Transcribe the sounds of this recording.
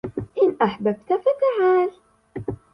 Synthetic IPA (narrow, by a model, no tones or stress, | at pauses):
ʔɪnʔaħbab̚t̪kafakaʕaːl